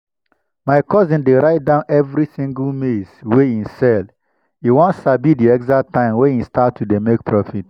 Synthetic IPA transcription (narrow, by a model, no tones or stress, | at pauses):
maɪkɔzĩndeɾaɪt̚dãʊ̃nɛvɾisĩŋɡulmesweĩnsɛl | iwɔ̃ntsabidiɛkzak̚tãɪ̃mweĩnstatʰːudemek̚pʰɹɔfit